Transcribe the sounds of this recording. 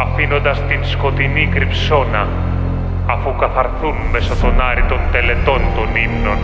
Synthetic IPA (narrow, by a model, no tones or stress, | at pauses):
ɐfino̞nd̪ɐst̪insko̞t̪inikɾipso̞nɐː | fukɐθɐɾθunmesot̪o̞nɐɾit̪o̞nt̪e̞le̞t̪o̞nt̪o̞nimno̞n